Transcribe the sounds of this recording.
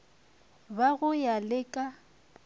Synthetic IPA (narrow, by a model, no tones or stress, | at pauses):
baɣʊjalɪkʼa